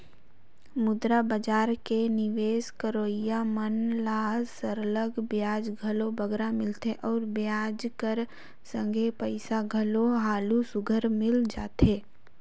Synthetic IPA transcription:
mʊd̪ɾabəd͡ʒaːɾkenɪʋeːskəɾoːɪjamənlaːɦzsəɾələɡbjaːd͡ʒɡʱəlobəɡɾamɪlt̪ʰeʔɔːɾbjaːd͡ʒkəɾ | sə̃ŋɡʱepəɪsaɡʱəloɦaːlusʊɡʱəɾmɪld͡ʒaːt̪eː

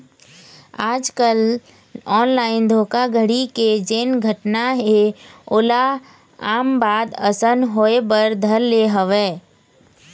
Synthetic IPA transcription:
aːd͡ʒkəl | ɔːnlaːɪnd̪ʱoːkaɡʱəɽiked͡ʒeːnɡʱəʈnaɦeʊla | aːmbaːd̪əsənɦoːebəɾd̪ʱəɾːeɦəʋeː

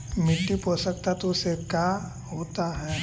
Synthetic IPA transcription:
mɪʈːiposək̚t̪at̪osekja | ɦoːt̪aɦɛː

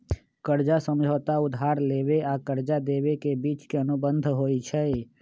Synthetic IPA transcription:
kəɾd͡ʒasə̃md͡ʒʱəːt̪aʊd̪ʱaːɾleːʋeakəɾd͡ʒad̪eːwekebiːt͡ʃkeənʊbə̃nd̪ʱɦoːit͡ʃʰɛ

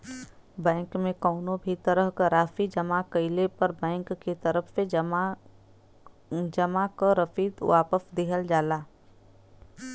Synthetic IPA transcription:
bɛ̃ːŋkmẽkɔːnõbʱit̪əɾəɦkəɾaːfid͡ʒɐmakəɪlepɐɾbɛ̃ːŋkːit̪ɐɾəfse | d͡ʒɐmakaɾəfiːd̪ʋaːpəsd̪ɪɦəld͡ʒaːlaː

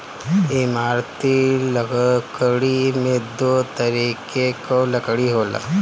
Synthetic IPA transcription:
ɪmaːɾt̪ilkɽimẽd̪oːt̪əɾiːkekoləkɽiɦoːla̰ː

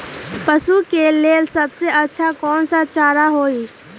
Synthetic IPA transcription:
pəsukeleːlsɐbseətːʃʰakɔːnsat͡ʃaːɾaɦoːiː

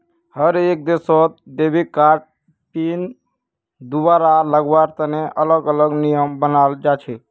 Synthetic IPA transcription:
həɾek̚d̪esɔt̪̚d̪ebʱikaɾʈ̚ | pin | d̪ubaɾaləɡʋaɾt̪əneʔələɡələɡnijəmbənald͡ʒat͡ʃʰɛ

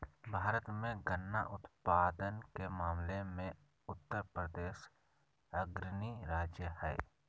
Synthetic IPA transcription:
bʱaːɾət̪mẽɡənːaʔʊt̪paːd̪ənkemaːmlemẽ | ʊt̪ːəɾpɾəd̪eːʃ | əɡɾɪniɾaːd͡ʒjəhɛ̰ː

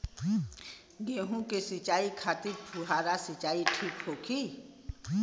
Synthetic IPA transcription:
ɡeːɦũkesit͡ʃaːikʰaːt̪iɾpʰuɦaːɾasit͡ʃaːiʈʰiːkɦoːkʰi

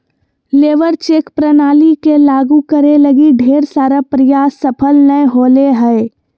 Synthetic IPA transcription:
leːʋəɾt͡ʃeːkpɾənaːlikelaːɡukəɾeləɡiɖʱeːɾsaːɾəpɾɪjaːsəpʰəlnəeɦoːleɦəe

